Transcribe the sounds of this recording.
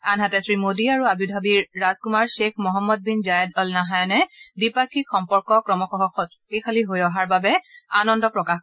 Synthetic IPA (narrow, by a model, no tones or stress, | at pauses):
anɦatɛsɹimodiaɹuabudʱabiɹːazkumaɹsekʰmɔɦɔmːɔd̚binzajɛdɔlnaɦajnɛdipakʰixɔmpɔɹkɔkɹɔmɔxɔɦɔxʰɔt | ejkʰaliɦojɔɦaɹbabɛanɔndɔpɹɔkax